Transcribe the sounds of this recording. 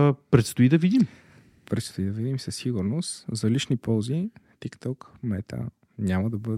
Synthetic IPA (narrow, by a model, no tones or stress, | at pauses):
pɾɛt̪st̪ʊid̪ɐvid̪im | pɾɛt̪st̪ʊid̪ɐvid̪imsəsːiɡuɾnost̪zɐliʃnipɔlˠzit̪ikt̪ɔk | mɛt̪ʰə̰ | nʲaməd̪ɐbɤd̪